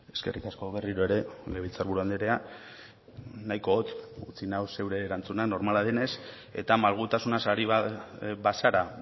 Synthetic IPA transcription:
e̞ske̞̰rikasko̞βe̞riɾoe̞ɾe̞leβit͡saɾβ̞uɾuand̪eɾe̞a | najko̞ːt̪ut͡sinawse̞wɾeːɾant͡sunakno̞ɾmalaðene̞s | e̞̰t̪amalɣ̞ut̪asunasaɾiββasaɾa

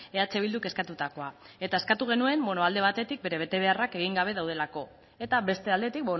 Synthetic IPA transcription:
e̞at͡se̞β̞ild̪uke̞skat̪ut̪ako̞a | e̞t̪aeskat̪uɣ̞e̞nue̞mbo̞noald̪e̞β̞at̪e̞t̪ik̚be̞ɾe̞β̞e̞t̪e̞β̞e̞arake̞ɣ̞iŋɡaβ̞e̞ð̞awðe̞lako̞ | e̞t̪aβe̞st̪e̞ald̪e̞t̪ik̚bo

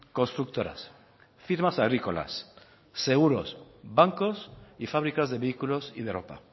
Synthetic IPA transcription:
ko̞nst̪ɾuk̚t̪o̞ɾa̰s | fiɾmasaɣɾiko̞la̰sː | e̞ɣ̞uɾo̞̰sbaŋko̞sifaβ̞ɾikazðe̞βeikulo̞sið̞eɾopa̰

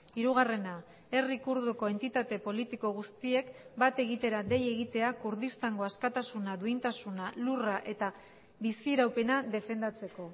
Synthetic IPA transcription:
iɾuɣ̞are̞na | e̞rikuɾðoko̞e̞nt̪it̪at̪e̞po̞lit̪iko̞ɣust̪ie̞kbat̪e̞ɣ̞it̪e̞ɾad̪e̞je̞ɣit̪e̞akuɾðist̪aŋɡo̞askat̪asunaðuint̪asunaluraʔe̞t̪a | βisieɾawpe̞naðe̞fe̞nd̪at͡se̞ko̞

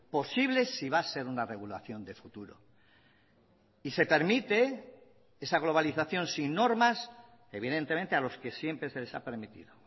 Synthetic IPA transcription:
po̞siβle̞siβase̞ɾunare̞ɣula̰θjo̞nd̪e̞fut̪uɾo̞̰ | ise̞pe̞ɾmit̪e̞ | e̞saɣ̞lo̞β̞aliθaθjo̞nsinːo̞ɾmas | e̞β̞iðe̞nt̪emẽ̞nt̪ealo̞ske̞sje̞mpɾe̞se̞le̞sa̰pe̞ɾmit̪ḭðo

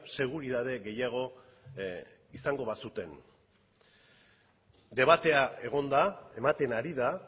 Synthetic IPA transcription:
se̞ɣ̞uɾiðað̞e̞ɣe̞jaɣ̞o̞ | isaŋɡo̞βasut̪e̞n | d̪e̞β̞at̪e̞ae̞ɣ̞o̞nd̪ae̞mat̪e̞naɾiða

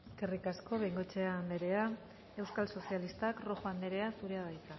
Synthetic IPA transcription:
eskerikasko̞βe̞jŋɡo̞t͡ʃe̞and̪e̞ɾe̞a | e̞wskalso̞sialist̪akro̞xoand̪e̞ɾe̞asuɾeaðajt̪a

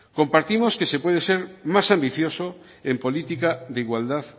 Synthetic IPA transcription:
kompaɾt̪imoskesepweð̞eseɾmasambiθjoso | empolit̪ikaðeiɣwald̪að

